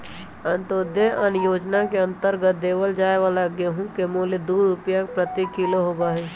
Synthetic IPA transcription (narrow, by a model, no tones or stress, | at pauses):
ənt̪oːd̪jəʔənjoːd͡ʒnakeə̃nt̪əɾɡət̪̚d̪eːʋəld͡ʒaːeʋalaɡjeɦũkemoːled̪uːɾʊpjapɾət̪ikiloɦoːbaɦɛː